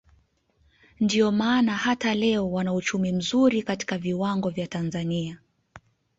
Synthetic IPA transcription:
ndiɔmaːnahatalɛɔwanaut͡ʃumim̩zuɾikati̥kaviwaŋɡɔvjatanzania

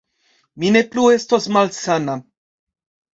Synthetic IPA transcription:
minepluwest̪ɔsmalsana

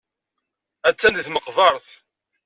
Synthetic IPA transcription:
æt͡sːænθməqvɑɾˤθ

